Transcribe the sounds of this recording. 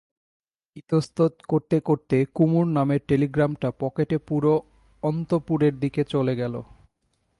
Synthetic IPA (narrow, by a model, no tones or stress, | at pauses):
it̪ost̪ot̪koɾt̪ekoɾt̪ekumuɾnameɾʈeliɡɾamʈapɔkeʈepuɾo | ɔnt̪opuɾeɾd̪iket͡ɕoleɡɛlo̰